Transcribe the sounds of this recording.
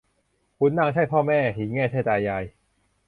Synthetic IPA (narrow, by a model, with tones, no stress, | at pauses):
kʰu˧˦˥nːaː˥˧ŋt͡ɕʰa˥˩jpʰɔː˥˩mɛː˥˩ɦiː˨˦ŋɛː˥˩t͡ɕʰa˥˩jt͡ɕaː˧jːaː˧j